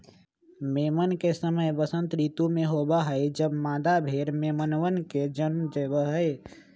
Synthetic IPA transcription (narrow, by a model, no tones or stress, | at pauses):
meːmənkesəməjbəsə̃nt̪ɾiːt̪umẽɦoːbaɦəed͡ʒəbmaːd̪abʱeːɾmeːmənʋənked͡ʒənmd͡ʒəbəɦəe